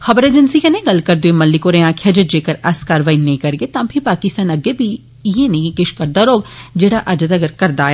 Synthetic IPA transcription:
xɐbəɾeːd͡ʒənsikenẽɡɐlkəɾd̪eemɐlːikoːɾẽãːkʰjad͡ʒəd͡ʒeːkəɾɐskaːɾʋaːinẽĩkɐɾɡet̪ãːpʰipaːkɪst̪aːnɐɡebʱi | ijẽneĩkɪʃkɐɾd̪aːɾoːɡd͡ʒeːɽaʔɐd͡ʒd̪ɐɡəɾkɐɾd̪aːje

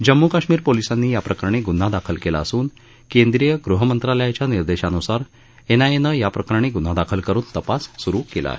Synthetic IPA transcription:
d͡ʑəmːukaɕmiːɾpolisanːiːjapɾəkaɾɳ̃eɡun̤ːad̪akʰəlkela̰əsuːn | kend̪ɾijəɡɾuɦəmənt̪ɾaləjat͡ɕjaniɾd̪eɕanusaɾ | enaenəjapɾəkaɾɽ̃eɡun̤ad̪akʰəlkəɾuːnt̪əpasːuɾuːkela̰ɦe

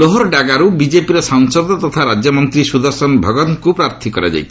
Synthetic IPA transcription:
lɔɦɔɾɖaɡaɾubid͡ʒepiɾɔsaŋsɔd̪ɔt̪ɔt̪ʰaɾad͡ʒjɔmɔnt̪ɾisud̪ɔɾsɔnbʱɔɡɔnkupɾaɾt̪ʰikɔɾad͡ʒa̰jt̪i̥

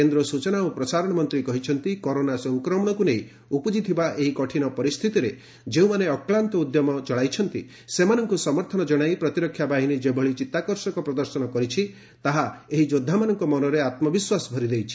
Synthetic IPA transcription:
end̪ɾɔsut͡ʃɔnaupɾɔsaɾɔɽ̃ɔmɔnt̪ɾikɔɦit͡ʃʰɔnt̪ikɔɾonasɔŋkɾɔmɔɽ̃ɔkuneĩ | upɔd͡ʒit̪ʰibaʔeɦikɔʈʰinɔpɔɾist̪ʰit̪iɾe | d͡ʒeũmaneɔklant̪ɔud̪jɔmɔt͡ʃɔɭajt͡ʃʰɔnt̪i | semanɔŋkusɔmɔɾt̪ʰɔnɔd͡ʒɔɽ̃ajpɾɔt̪iɾɔkʰːjabaɦinid͡ʒebʱɔɭit͡ʃit̪akɔɾsɔkɔpɾɔd̪ɔɾsɔnɔkɔɾit͡ʃʰi | t̪aɦaeɦid͡ʒod̪ʱːamanɔŋkɔmɔnɔɾeat̪mɔbiswasbʱɔɾid̪ejt͡ʃʰi̥

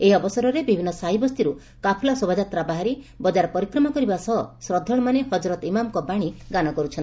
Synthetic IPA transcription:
eiɔbɔsɔɾɔɾebibʱinːɔsaɦibɔst̪iɾu | kapʰlasobad͡ʒat̪ɾabaɦaɾi | bɔd͡ʒaɾɔpɔɾikɾɔmakɔɾibasɔɦsɾɔd̪ʱːɔɭ̃ɔmanehɔd͡ʒɾɔt̪imamkɔbaɽ̃iɡanɔkɔɾut͡ʃʰɔni

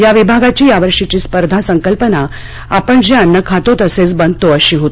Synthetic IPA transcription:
jaʋibʱaɡat͡ɕiːjaʋəɾʂit͡ɕiːspəɾd̪ʱasəŋkəlpəna | apəɳd͡ʑianːəkʰat̪ot̪əset͡sbənd̪̚ʱt̪oəɕiːɦot̪i̥

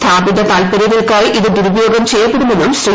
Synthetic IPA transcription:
t̪ʰaːbid̪ɐt̪aːlpɐɾiɣɐɭkaːɭʔiðɨd̪uɾubjoːɡɐmt͡ɕejːɐpːe̞ɽumːenːumsri

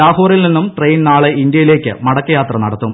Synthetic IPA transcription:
aːhoːrilninːumʈrejnnaːɭeind̪jɐjile̞ːkʲːɨ̰mɐɽɐkːɐjaːt̪rɐnɐɽɐt̪ːum

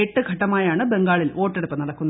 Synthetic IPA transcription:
eʈːɨɡʱɐʈːɐmaːjaːɳɨbe̞ŋɡaːɭilʔo̞ːʈːeɽupːɐnɐɽɐkːunːɐ

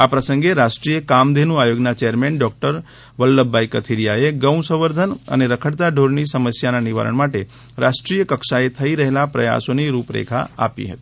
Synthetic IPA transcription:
apɾəsəŋɡeɾaʃʈɾijəkamd̪ʱenũajoɡnat͡ʃejəɾmeɳɖɔk̚ʈəɾ | ʋəlːəbːajkət̪ʰiɾijaeɡəw̃səʋəɾd̪ʱənə̰neɾəkʰəɽt̪aɖʱoɽnisəməsjananiʋa̰ɾə̰ɳmaʈe | ɾasʈɾijəkəkʃaet̪ʰəiɾəɦelapɾə̰ja̰soniɾupɾḛkʰa̰a̰pḭɦə̰t̪i̥

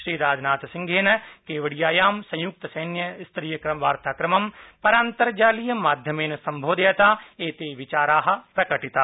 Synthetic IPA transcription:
ʃɾiːɾaːd͡ʒnaːt̪sɪ̃ŋɡʱeːnɐkeːʋɐɽijaːjaːmsɐ̃j̃jʊk̚t̪ɐsɐːnjɐst̪ɾiːjɐkɾɐmʋaːɾt̪aːkɾɐmɐmpɐɾaːnt̪ɐɾd͡ʒaːlijɐmaːd̪ʱjɐmeːnɐsɐ̃mbʱoːd̪eɐt̪aːeːt̪eːʋɪt͡ʃaːɾaːɦɐ̆pɾɐkɐʈit̪aː

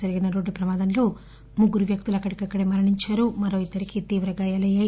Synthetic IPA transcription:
d͡ʒɐɾiɡinɐɾoːɖːupɾɐmaːd̪ɐnlo̞ː | muɡuɾuʋjɐk̚t̪ulɐkːɐɽikɐkːɐɽeːmɐɾɐɳiɲt͡ʃaːɾumɐɾo̞ːid̪ːɐɾikit̪iːʋɾɐɡajaːlɐja

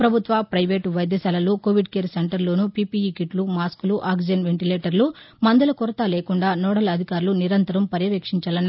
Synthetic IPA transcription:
pɾɐbʱut̪ʋɐpɾɐjʋeːʈʋɐjd̪ʱjɐsɐːlɐlukoːʋiɖkeːɾseɳʈɐɾloːnupipiikiʈlumaːskuluʔaːkd͡ʒɐnʋeɳʈileːʈɐɾlu | mɐnd̪ɐlɐkuɾɐt̪aːleːkuɳɖaːnoːɽɐlɐd̪ʱikaːɾuluniɾɐnt̪ɐɾɐmpɐɾjɐʋɐkʂiɲt͡ʃɐlɐnː

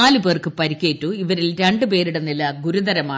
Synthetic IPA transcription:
aːlɨpe̞ːrkɨpɐɾikʲːeːtːuiʋɐɾilɾe̞ɳɖɨpe̞ːɾiɽenilɐɡuɾud̪ɐɾɐmaː

